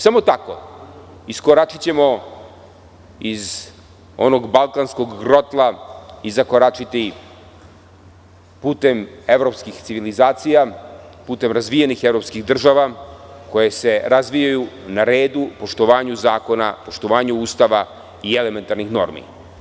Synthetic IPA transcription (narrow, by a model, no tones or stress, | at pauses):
samo̞t̪ako̞̰ | iskoɾat͡ʃit͡ɕe̞mo̞ | iz | o̞̰no̞ɡbalˠkansko̞ɡɡɾo̞t̪lˠaizakoɾat͡ʂit̪i | puːt̪e̞me̞ʋɾo̞pskixt̪siʋilizaːt̪sijapuːt̪e̞mɾazʋijenixe̞vɾo̞pskixd̪r̩ʒaʋako̞jese̞ɾazʋijajunaɾe̞ːd̪upo̞ʃt̪oʋaːɲuzaːko̞na̰po̞ʃt̪o̞ʋaːɲuuːst̪aʋa | iele̞me̞nt̪aɾnixno̞̰ɾmḭ